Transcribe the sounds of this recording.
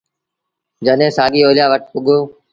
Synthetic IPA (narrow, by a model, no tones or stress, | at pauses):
d͡ʒənẽːsaːɡiːoːljaːʋəʈ̚pʊɠoː